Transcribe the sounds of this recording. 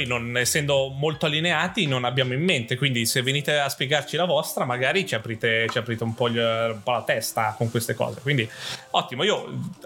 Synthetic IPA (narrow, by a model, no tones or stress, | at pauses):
jnonɛsːɛnd̪omolt̪oalːineaːt̪inonabjaːmoimːent̪ekwind̪isevːeniːt̪easpjeɡart͡ʃilavɔst̪ɾamaɡaːɾit͡ʃiapɾiːt̪et͡ʃiapɾiːt̪eumpɔumpɔlat̪ɛst̪akoŋkwest̪ekɔ̰ːzekwind̪iɔt̪ːimoiːo